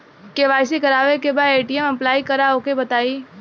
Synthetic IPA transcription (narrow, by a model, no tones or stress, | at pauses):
keʋaːɪsikɐɾaːʋekebaːd̪eːʈiɛmɐplaːikɐɾaokebɐt̪aːiː